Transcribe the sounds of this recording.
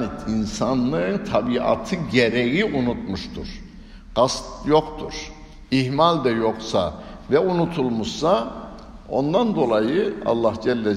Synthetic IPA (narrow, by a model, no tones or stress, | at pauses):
niinsanːɯt̪ʰabia̰t̪ʰɯɟeɾɛjiʔunut̪̚muʃt̪ʰṵɾ̥ | ɡ̥ast̪jo̞qt̪ʰuɾ̥ | ihmalʲd̪ɛjo̞qsa̰vɛunut̪ʰulˠmuʃsa | o̞̰nd̪and̪o̞lˠajɯɑ̰lˠːɑhd͡ʒɛlʲːɛ